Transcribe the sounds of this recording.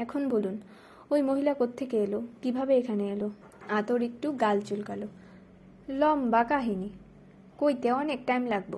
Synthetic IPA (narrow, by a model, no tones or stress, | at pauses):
ɛkʰonbolun | ojmoɦilakot̪ʰːekeelokibʱabeekʰaneelo | at̪oɾek̚ʈuɡalt͡ɕulkalo | lɔmbakaɦini | kojt̪eɔnek̚ʈajmlaɡbo̰